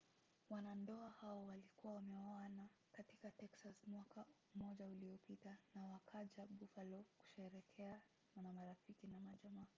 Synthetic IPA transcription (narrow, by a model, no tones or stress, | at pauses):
wanandɔahaɔwalikuwawamɛwaana | katikatɛksasmwaka | mɔʄauliɔpitanawakʰaʄaɓufalɔku̥ʃɛɾɛkʰɛa | mamamaɾafikinamaʄamaː